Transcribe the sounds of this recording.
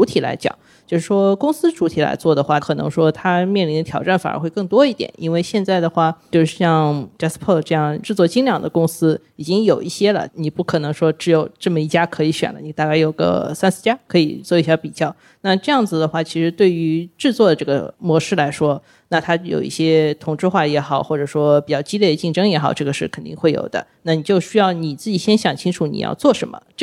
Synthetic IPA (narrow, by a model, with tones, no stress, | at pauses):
u˧˥t̪ʰi˨˩la̰˧˥ɪt͡ɕjɑ̰˨˩˦ŋ | t͡ɕjo˥˧ʊʂɻ̩˥˩ʂwɔ˥kʊ˥ŋsɹ̩˥ʈ͡ʂu˧˥t̪ʰi˨˩la̰˧˥ɪt͡swɔ˥˩d̪ə˩xwa˥˩kʰɤ˨˩nɤ̰˧˥ŋʂwɔ˥t̪ʰa˥mjɛ˥˩nli˧˥nd̪ə˧t̪ʰjɑ˨˩ʊʈ͡ʂa˥˩nfa̰˨˩ə̰˥xwe˥˧ɪkɤ˥˩ŋt̪wɔ˥i˥˩t̪jɛ̰˨˩˦nʔḭ˥nwe˥˧ɪɕjɛ˥˧nt͡sa˥˩ɪd̪ə˩xwa˥˩t͡ɕjo˥˧ʊʂɻ̩˥˩ɕjɑ˥˧ŋʈ͡ʂa˥spʰɤ˥˩ʈ͡ʂɤ˥˧jɑ˥˩ŋʈ͡ʂɻ̩˥˧t͡swɔ˥˩t͡ɕi˥ŋljɑ˨˩ŋd̪ə̰˦kʊ˥ŋsɹ̩˥ | i˨˩t͡ɕi˥ŋjo˨˩ʊʔi˥˩ɕjɛ˥lə̰˨ni˨˩pu˥˩kʰɤ˨˩nɤ˧˥ŋʂwɔ˥ʈ͡ʂɻ̩˧˥jo˨˩ʊʈ͡ʂɤ˥˩mə˩i˥˩t͡ɕja˥kʰɤ˧˥i˧˥ɕɥɛ̰˨˩nlə˦ni˨˩t̪a˥˧ka˥˩ɪjo˨˩ʊɡə̰˧sa˥nsʰɹ̩˥˩t͡ɕja˥kʰɤ˧˥i˨˩t͡swɔ˥˧i˥˩ɕja˥pi˨˩t͡ɕjɑ˥˩ʊ | na˥˧ʈ͡ʂɤ˥˧jɑ˥˩ŋd͡zɹ̩˩d̪ə˩xwa˥˩t͡ɕʰi˧˥ʂɻ̩˧˥t̪we˥˩ɪy˧˥ʈ͡ʂɻ̩˥˧t͡swɔ˥˩d̪ə˩ʈ͡ʂɤ˥˩ə̰˩mwɔ˧˥ʂɻ̩˥˩la˧˥ɪʂwɔ˥ | na˥˩t̪ʰa˥jo̰˨˩ʊḭ˥˩ɕjɛ˥t̪ʰʊ˨˩ŋʈ͡ʂɻ̩˥˧xwa˥˩jɛ˧˥xɑ˨˩ʊxwɔ˥˩ʈ͡ʂɤ˨˩ʂwɔ˥pi˨˩t͡ɕjɑ˥˩˧ʊt͡ɕi˥ljɛ˥˩d̪ə˩t͡ɕi˥˩ŋʈ͡ʂɤ˥ŋjɛ˧˥xɑ˨˩ʊʈ͡ʂɤ˥˩ɡə˩ʂɻ̩˥˩kʰə˨˩nt̪ḭ˥˧ŋxwe˥˩ɪjo̰˨˩ʊd̪ə̰˦na˥˩ni˨˩t͡ɕjo˥˧ʊɕy˥jɑ˥˩ʊni˨˩t͡sɹ̩˥˩t͡ɕi˨˩ɕjɛ˥nɕjɑ˨˩ŋt͡ɕʰi˥ŋʈ͡ʂʰu˨˩˦nḭ˨˩jɑ̰˥˧ʊt͡swɔ˥˩ʂə˧˥nmə̰˧